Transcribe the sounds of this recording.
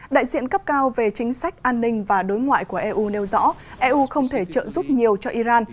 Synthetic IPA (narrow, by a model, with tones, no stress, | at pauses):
ɗa̰ː˧˨jzḭ˧˨ənkə˦˥p̚kaː˧wve˨˩t͡ɕï˨˦ŋ̟sa˦˥jk̚ʔaː˧nːï˧ŋ̟vaː˨˩ɗo˨˦jŋwa̰ː˧˨jku˧˩əʔɛ˧ʔu˧ne˧wzɔ̰˧˥ʔɛ˧ʔu˧xə˧wŋ͡mt̪ʰe˧˩t͡ɕə̰ː˧˨nzu˦˥p̚ɲi˨˩əwt͡ɕɔ˧ʔi˧zaː˧n